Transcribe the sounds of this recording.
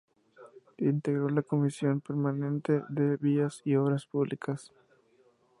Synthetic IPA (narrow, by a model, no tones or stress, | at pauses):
int̪e̞ɣɾo̞lako̞misjo̞mpeɾmanẽ̞nt̪eðe̞βiasioβɾaspuβlʔikʰas